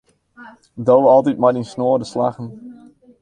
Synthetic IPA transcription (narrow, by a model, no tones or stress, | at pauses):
dowɑlˠtit̚maɾinsnoːdəslaχən